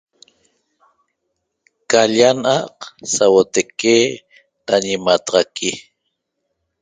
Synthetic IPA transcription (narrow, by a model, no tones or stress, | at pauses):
kaʎanʔɑqsawot̪eke | t̪aɲimat̪ɑʁɑkʰi